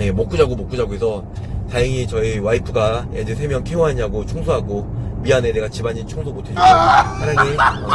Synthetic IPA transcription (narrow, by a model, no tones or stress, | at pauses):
jemok͈ud͡ʑaɡomok͈ud͡ʑaɡoesʰʌ | taɯŋit͡ɕʌiwaipʰɯɡa | ed͡ʑesʰe̞mjʌŋkʰeoɦaɲaɡot͡ɕʰoŋsʰoɦaɡomiane̞de̞ɡat͡ɕibaɲint͡ɕʰoŋsʰobotʰed͡ʑsʰaɾaiʌ